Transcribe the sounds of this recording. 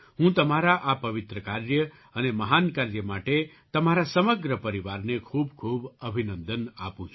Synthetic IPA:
ɦũt̪əmaɾaʔapəʋɪt̪ɾəkaɾjə | əneməɦankaɾjəmaʈe | t̪əmaɾasəməɡɾəpəɾiʋaɾnekʰuːbkʰubəbʱinə̃nd̪əna̰pũt͡ʃʰ

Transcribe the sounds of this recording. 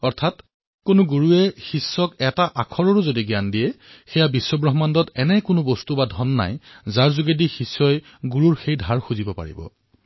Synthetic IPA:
ɔɹtʰat | kʊnʊɡuɹuɛxisːɔkɛtaʔakʰɔɹɔɹʊzodiɡjandijɛxɛjabisːɔbɹɔɦɔmandɔtɛnɛkʊnʊbɔstubadʱɔnːa̰jzaɹzuɡedixisːɔj | ɡuɹuɹxejdʱaɹxuzibɔpa̰ɹḭbɔ̰

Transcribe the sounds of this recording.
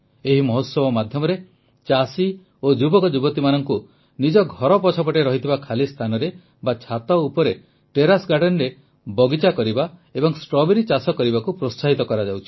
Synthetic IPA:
eɦimɔɦot̪sɔbɔmad̪ʱjɔmɔɾe | t͡ʃasi | od͡ʒubɔkɔd͡ʒubɔt̪imanɔŋku | nid͡ʒɔɡʱɔɾɔpɔt͡ʃʰɔpɔʈeɾɔɦit̪ʰibakʰalist̪ʰanɔɾe | bat͡ʃʰat̪ɔupɔɾe | ʈeɾasɡaɖɔnɾe | bɔɡit͡ʃakɔɾibaebɔŋsʈɾɔbeɾit͡ʃasɔkɔɾibakupɾotsaɦit̪ɔkɔɾad͡ʒawt͡ʃʰi̥

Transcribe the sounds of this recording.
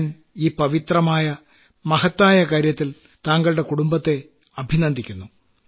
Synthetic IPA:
n | iːpɐʋit̪rɐmaːjɐ | mɐhɐt̪ːaːjɐkaːɾjɐt̪ːil | t̪aːŋɡɐɭɽe̞kuɽumbɐt̪ːe̞ | ɐbʱinɐnd̪ʱikʲːunːu

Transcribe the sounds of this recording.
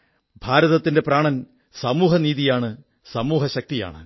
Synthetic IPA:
bʱaːɾɐðɐt̪ːinde̞praːɳɐn | sɐmuːɦɐniːðijaːɳɨ | sɐmuːɦɐɕɐk̚t̪ija̰ːɳɨ̰

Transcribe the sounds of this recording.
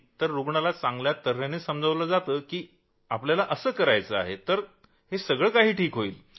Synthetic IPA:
t̪əɾːuɡɳalat͡sãŋɡljat̪əɾjaneːsəmd͡zʱəʋləːd͡zat̪əːkiː | apljalaʔəsəːkəɾajt͡səa̰ɦet̪əɾ | hesəɡɭəkaɦiːʈʰiːkɦoiːl

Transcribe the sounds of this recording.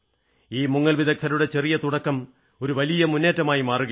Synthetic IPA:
iːmuŋːɐɭʋiðɐk̚t̪ʰɐɾuɽe̞t͡ɕe̞rijɐt̪uɽɐkːɐm | o̞ɾuʋɐlijɐmunːe̞ːtːɐmaːjimaːruɣɐ

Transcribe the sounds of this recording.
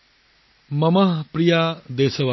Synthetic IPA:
mɐmɐɦpɾijaːd̪eːsəʋa

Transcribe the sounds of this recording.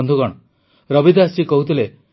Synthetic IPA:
nd̪ʱukɔɽ̃ɔ | ɾɔbid̪ʱast͡ʃikɔɦut̪ʰile

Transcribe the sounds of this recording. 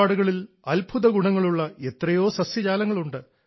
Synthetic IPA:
aːɽuɣɐɭil | ɐlbʱuðɐɡuɳɐŋːɐɭuɭːɐe̞t̪rɐjo̞ːsɐsjɐd͡ʑaːlɐŋːɐɭuɳɖɨ

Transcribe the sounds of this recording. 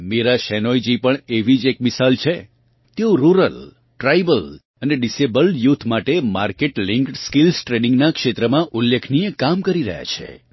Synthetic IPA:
meɾaʃɛnojd͡ʒipəɳeʋid͡ʒek̚mɪsalt͡ʃʰe | t̪eoɾuɾəl | ʈɾajbəl | əneɖisebəljut̪ʰmaʈemaɾkeʈlɪŋkʈskilsʈɾenĩŋɡnakʃet̪ɾəmãʔulːekʰnijekamkəɾiɾə̰ɦja̰t͡ʃʰḛ

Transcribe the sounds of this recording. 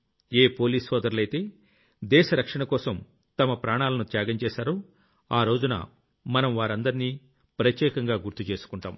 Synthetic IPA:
eːpo̞ːliːshɔːd̪ɐɾulɐjt̪e̞ː | d̪ɛːʃɐɾɐkʂɐɳɐkɔːsɐm | t̪ɐmɐpɾaːɳaːlɐnut̪jaːɡɐɲt͡ʃɛːʃaːɾoː | aːɾo̞ːd͡ʒunɐ̰ | mɐnɐmʋaːɾɐnd̪ɐɾniː | pɾɐt̪jɛːkɐŋɡaːɡuɾt̪ut͡ʃe̞ːsu̥kuɳʈa̰ːm

